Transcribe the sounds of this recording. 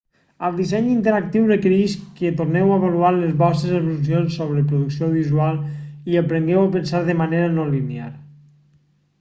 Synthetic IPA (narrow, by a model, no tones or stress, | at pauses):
əlˠd̪isɛɲint̪eɾak̚t̪iwrəkəɾiʃket̪oɾnɛwaeβaluaɾlezβɔst̪ɾezəβlus̬ionsːoβ̞ɾəpɾuðuksioðizualˠiəpɾeŋɡɛwəpənsaɾðəmaneɾənolinea̰ɾ